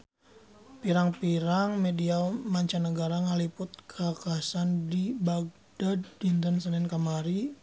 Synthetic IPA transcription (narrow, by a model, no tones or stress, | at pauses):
piɾaŋpiɾaŋmediamaɲt͡ʃanəɡaɾaŋalipʊt̪̚kʰakasandibaɡ̚daddint̪ənsənɛnkamaɾi